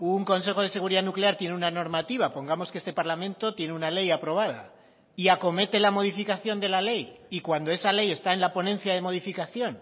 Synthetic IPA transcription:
uŋko̞ns̬e̞xo̞ð̞e̞s̬e̞ɣ̞uɾiðanukleaɾt̪je̞neunano̞ɾmat̪iβapo̞ŋɡamo̞skeest̪e̞paɾlamẽ̞nt̪o̞t̪je̞neunale̞japɾo̞β̞aða̰ | iako̞me̞t̪e̞lamo̞ð̞ifikaθjo̞nd̪e̞lale̞jikwand̪o̞e̞sale̞je̞st̪aenlapo̞nẽ̞nθjaðe̞mo̞ð̞ifikaθjo̞n

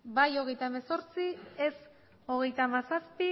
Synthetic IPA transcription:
bajo̞ɣ̞e̞jt̪aeme̞so̞ɾt͡sies | o̞ɣ̞e̞jt̪amasaspi

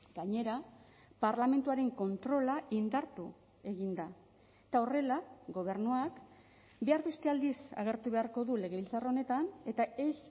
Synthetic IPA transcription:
ɡ̥aɲe̞ɾa | paɾlame̞nt̪uaɾe̞ŋko̞nt̪ɾo̞laʔind̪aɾt̪u | e̞ɣind̪a | et̪ao̞re̞laɡo̞β̞e̞ɾnuak | be̞aɾβe̞st̪e̞ald̪isa̰ɣ̞e̞ɾt̪uβe̞aɾko̞ðule̞ɣe̞βilt͡sarao̞ne̞t̪ane̞t̪ae̞s

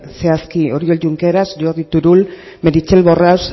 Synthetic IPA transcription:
se̞askio̞ɾio̞lɟuŋkeɾazʝoðit̪uɾul | meɾit͡ʃelβo̞raws

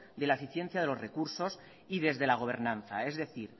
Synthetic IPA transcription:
d̪elaefiθje̞n̟θjaðe̞lo̞zre̞kuɾso̞s | iðe̞zðe̞laɣ̞o̞β̞e̞ɾnãnθa̰e̞zðe̞θiɾ

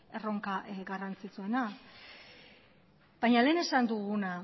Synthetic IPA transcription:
e̞ro̞ŋkaʔɡarant͡sit͡sue̞na | bajɲale̞ːne̞sand̪uɣuna

